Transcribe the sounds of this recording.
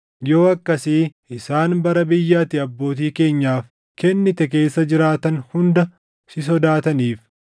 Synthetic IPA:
jo̞ːɐkːɐsɪʔɪsaːnbɐɾɐbɪjːaːt̪ɪɐbːo̞ːt̪̬iːke̞ːɲːaːf | kɛnːɪt̪ɛk̬e̞ːsːɐd͡ʒɪɾaːt̪ɐnhʊnd̪ɐ | sɪs̬ɔd̪aːt̪ɐniːf

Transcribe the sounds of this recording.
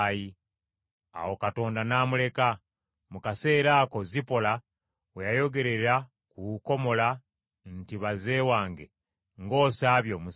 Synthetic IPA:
ji | a̰wo̞kato̞ːndanaːmule̞ka | mukase̞ːɾaːko̞zipo̞la | wejajo̞ɡe̞ɾe̞ɾa | kuko̞mo̞la | n̩tiβaze̞ːwaːŋɡe̞̰ | ŋɡo̞ːsaːβjo̞mu

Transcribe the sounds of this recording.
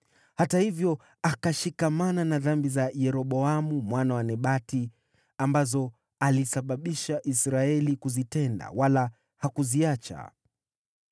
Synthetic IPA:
hatahivjɔ | akaʃikamananaðambizajɛɾɔɓɔamumwanawanɛɓati | ambazɔ | alisaɓaɓiʃaʔisɾaɛlikuzitɛnda̰wala | hakuziat͡ʃa̰

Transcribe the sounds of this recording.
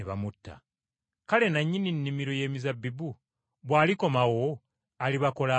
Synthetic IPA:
eβa̰mutːa̰ | kale̞naɲːininːimiɾo̞je̞ːmizabːibu | βwaːliko̞mawo̞ | aliβako̞la

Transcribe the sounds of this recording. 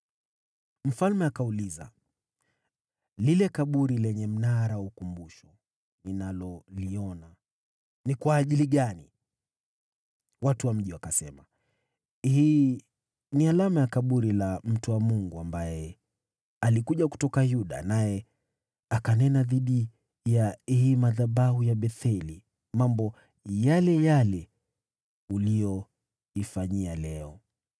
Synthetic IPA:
m̩falmɛakauliza̰ | lilɛkaɓuɾilɛɲɛm̩naɾaukumbuʃɔ | ninalɔliɔna | nikwaːʄiliɠani | watuwam̩ʄiwakasɛma | hiː | nialamajakaɓuɾilam̩tuwamuŋɡuambajɛ | alikuʄaku̥tɔkajuɗa̰najɛ | akanɛnaðiɗi | jahiːmaðaɓaɦujaɓɛθɛli | mambɔ | jalɛjalɛ | ulijɔ | ifaɲialɛɔ

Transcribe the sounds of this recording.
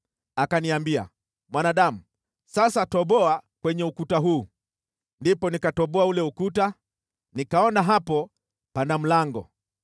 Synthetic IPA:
akaniambia̰ | mwanaɗamu | sasatɔɓɔakwɛɲɛukutaɦuː | ndipɔnikatɔɓɔaulɛukuta | nikaɔnaɦapɔ | pandam̩laŋɡɔ̰

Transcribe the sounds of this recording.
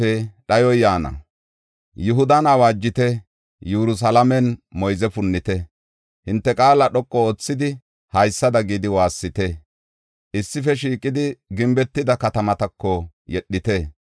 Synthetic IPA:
ɛɗɐjɔjaːnɐ̰ | jʊɦʊd̪ɐnɐwaːd͡ʒːɪt̪ɛ | juɾʊs̬ɐlɐmɛnmɔjzɛfʊnːɪt̪ɛ | hɪnt̪ːɛkʼaːlɐɗɔkʼːɔoːt͡sːɪd̪ɪ | hɐjsːɐd̪ɐɡiːd̪ɪwaːsːɪt̪ɛ | ʔɪsːɪfɛʃ̬iːkʼɪd̪ɪɡɪmbɛt̪ːɪd̪ɐkɐt̪ɐmɐt̪ɐkːɔ | jɛɗːɪt̪ɛ

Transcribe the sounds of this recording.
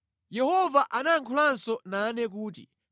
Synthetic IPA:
jɛhɔvaʔanaŋkʰulansɔnanɛk̬uːt̬ḭ

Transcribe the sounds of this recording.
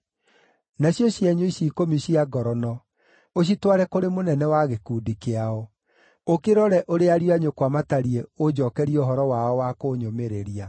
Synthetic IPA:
naɕjɔɕjɛɲoiɕiːkomiɕiaɡɔɾɔnɔ | oɕ̬itwaɾɛkoɾemonɛnɛwaɣekuːdikeaɔ | okeɾɔɾɛʔoɾeaɾijaɲokwamataɾieod͡ʑɔkɛɾioɦɔɾɔwaɔwakoːɲomeɾeɾia

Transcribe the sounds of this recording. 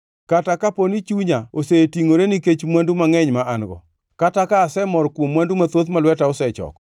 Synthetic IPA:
katakaponit͡ʃuɲaosetiŋoɾeniket͡ʃmwandumaŋɛɲmaanɡɔ̰ | katakaːsɛmɔɾkwomːwandumat̪ot̪malwɛtaɔsɛt͡ʃɔ̰k

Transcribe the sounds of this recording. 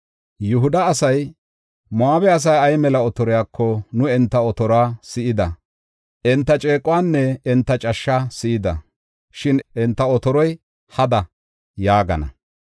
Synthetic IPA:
jʊɦʊd̪ɐːsɐj | mʊaːbɛɐs̬ɐjɐjmɛlɐɔt̪ɔɾɔjaːkʰːɔnʊɛnt̪ːɐɔt̪ɔɾɔaːsɪʔɪd̪ɐ | ʔɛnt̪ːɐt͡ʃʼeːkʼʊwaːnːɛɛnt̪ːɐt͡ʃʼɐʃːasɪʔɪd̪ɐ̰ | ʃɪnʔɛnt̪ːɐɔt̪ɔɾɔj | hɐd̪ɐ | jaːɡɐ̰nɐ̰

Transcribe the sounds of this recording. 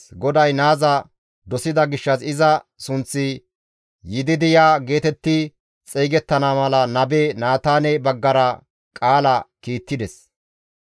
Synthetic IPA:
ɡɔd̪ɐjnaːzɐ | d̪ɔsɪd̪ɐɡɪʃːɐsɪzɐ | sʊnt͡sːɪ | jɪd̪ɪd̪ɪjaːɡe̞ːt̪ɛt̪ːɪ | t͡sʼeːɡɛt̪ːɐnamɐlɐnɐbeːnaːt̪aːnɛbɐɡːɐɾɐ | kʼaːlɐkiːt̪ːɪd̪ɛs

